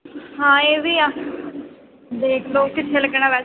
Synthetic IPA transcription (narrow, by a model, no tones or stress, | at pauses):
ɦãːeːʋiːaː | d̪eːkʰloːkɪt̪ʰːeːləɡɳ̃ãːʋɛː